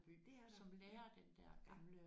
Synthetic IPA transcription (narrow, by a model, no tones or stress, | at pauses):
sɒ̽mleːɐd̥end̥æɐ̰ɡ̥ɑ̈mlə